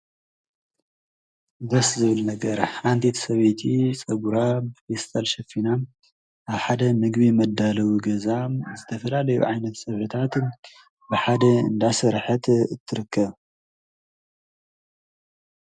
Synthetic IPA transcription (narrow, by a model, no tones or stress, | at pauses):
bɐszɨβɨlnɐɡɐɾant̪ʰit̪ʰsɐβet̪ʰit͡sʼɐɡuɾabɨfest̪ʼalʃɐfina | ʔaβħad̪ɐmɨɡβimɐd̪ːalɐwuɡɐzazɨt̪ʰɐfɐlalɐjṵʕajnɐt̪sʼɐβħɨt̪ʰat̪ | bɨħad̪ɐɨ̰nd̪asɐɾħɨt̪ɨt̪ʰːɨɾɨkʰːɐβ